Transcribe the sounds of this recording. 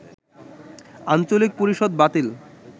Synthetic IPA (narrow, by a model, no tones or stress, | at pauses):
ant͡ɕolik̚poɾiʃod̪̚bat̪il